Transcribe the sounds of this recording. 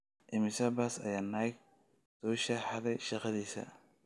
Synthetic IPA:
ʔɪmɪsɐbasɐ̰jaːnajk̚ | sɔːʃɐħɑðɛjʃɑqɑðiːsɐ̰

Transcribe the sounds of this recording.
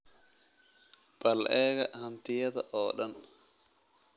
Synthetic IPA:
b̥ɐlʔɛːɣɐhɐnt̪ɪjɐðɐʔɔːɗɐn

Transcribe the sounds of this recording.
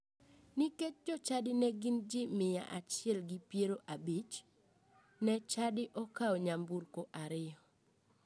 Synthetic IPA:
niket͡ʃ̚d͡ʒɔt͡ʃadɪnɛɡɪnd͡ʒɪmɪja̰ʔat͡ʃɪɛlɡipjeɾoʔabit͡ʃ | nɛt͡ʃadɪʔɔkaɔɲambuɾkoʔaɾɪjɔ

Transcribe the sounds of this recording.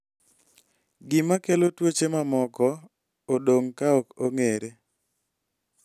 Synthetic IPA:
ɡɪmakelotwot͡ʃemamɔkɔ | odoŋkaɔkoŋeɾe

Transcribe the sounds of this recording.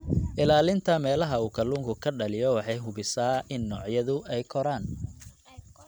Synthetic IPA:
ʔɪlaːlɪnt̪ʰɐmɛːlɐɦɐuːkʰɐluːŋkʰʊkʰɐɖɐlɪjɔwɑħɑjɦʊβɪsaːʔɪnːɔːʕjɐðʊʔɛjkʰɔɾaːn

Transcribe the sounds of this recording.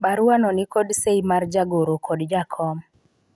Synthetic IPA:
baɾuanɔnɪkɔdseimard͡ʒaɡoɾokɔdd͡ʒakʰɔm

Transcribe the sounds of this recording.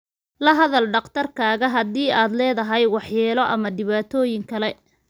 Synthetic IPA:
lɐɦɐðɐlɖɑqt̪ʰɐrkʰaːɣɐɦɐd̪iːaːd̪lɛːðɐɦɛjwɑħjɛːlɔʔɐmɐɖɪβaːt̪ʰɔːjɪŋkʰɐlɛ

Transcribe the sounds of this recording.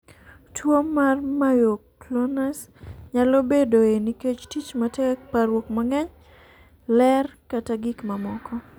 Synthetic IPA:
twomarmajoklonas | ɲalobedoeniket͡ʃtit͡ʃmatɛk̚paɾwokmaŋɛɲ | lɛrkataɡikmamɔkɔ

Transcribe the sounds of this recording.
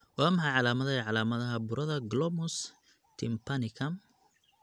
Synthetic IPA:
waːmɐħɑʕɑlaːmɐðɐɛʕɑlaːmɐðɐɦɐbʊɾɐðɐɡlɔmʊs | t̪ʰɪmpʰɐnɪkʰɐm

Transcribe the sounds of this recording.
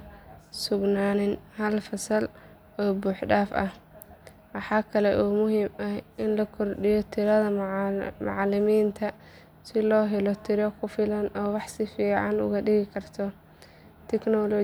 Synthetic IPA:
sʊɡnaːnɪnhɐlfɐsɐl | ɔːbuːħɖaːfɐ̰h | wɑħɑːkʰɐlɛʔuːmʊɦiːmɐhʔɪnlɐkʰɔrɖɪjɔt̪ʰɪɾɐðɐmɑ̰ʕlɪmiːnt̪ʰɐ | sɪlɔːɦɛlɔt̪ʰɪɾɔkʰʊfɪlɐnɔːwɑħsɪfiːʕɑnʊ̰ɣɐɗɪɣɪkʰɐrt̪ʰɔ | t̪ʰɛknɔlɔ

